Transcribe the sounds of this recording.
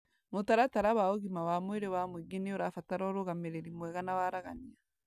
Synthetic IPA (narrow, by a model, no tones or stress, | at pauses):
motaɾataɾaβaoɣimawamweɾewamweɡeneoɾafataɾɔɾoɣameɾeɾimwɛɣanawaɾaɣania